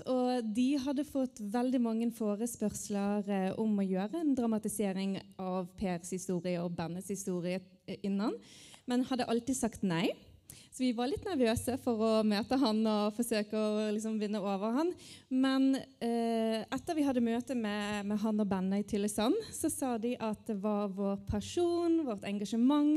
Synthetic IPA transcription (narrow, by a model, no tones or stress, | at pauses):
ɔd̪ɪɦɑd̪ːəfɔt̪ːʋɛld̪ɪmɑŋːənfoːɾəspœʁsləɾʔɔmɔjøːɾəɛnd̪ɾɑmɑt̪ɪseːɾɪŋʔɑʋpʰeːɾshɪst̪uːʁɪəɔbɛnːəshɪst̪uːʁɪə | ɪnːɑn | mɛnhɑd̪ːəʔɑlt̪iːd̪sɑkt̪næɪ | sɔʋɪʋɑɾlɪt̪ːnæɾʋøːsəfɔɾɔmøːt̪əɦɑnɔfɔsøːkəɔlɪksɔmʋɪnːəoːʋəɾhɑnmɛn | ʔɛt̪ːəɾʋɪɦɑd̪ːəmøːt̪əmɛmɛɦɑnɔbɛnːəɪt̪ʰɪləsɑnːsɔsɑːd̪ɪʔɑt̪̚d̪ɛʋɑɾʋoːɾpʰæʂuːnʋɔʁt̪ɛŋɡɑʂəmɑŋ